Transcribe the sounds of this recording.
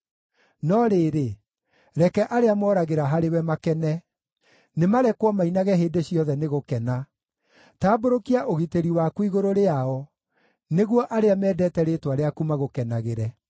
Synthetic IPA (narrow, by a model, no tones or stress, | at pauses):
nɔɾeːɾe | ɾɛkɛʔaɾeamɔːɾaɣeɾaɦaɾewɛmakɛnɛ | nemaɾɛkwɔmainaɣɛɦeːndeɕjɔðɛneɣokɛna | taːboɾokiaʔoɣiteɾiwakwiɣoɾoɾeaɔ | neɣwɔʔaɾeamɛːdɛtɛɾetwaɾeakumaɣokɛnaɣeɾɛ